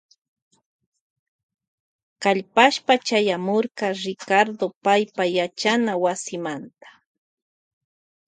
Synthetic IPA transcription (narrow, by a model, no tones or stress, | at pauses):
kaʎpaʃpat͡ʃajamoɾkɑɾɪkaɾd̪opajpajat͡ʃanawasɪmant̪ḁ